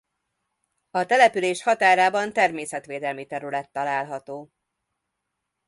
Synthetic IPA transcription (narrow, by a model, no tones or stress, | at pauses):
ɒt̪ɛlɛpyleːʃhɒt̪aːɾaːbɒnt̪ɛrmeːsɛt̪ʋeːd̪ɛlmit̪ɛɾylɛt̪ːɒlaːlɦɒt̪oː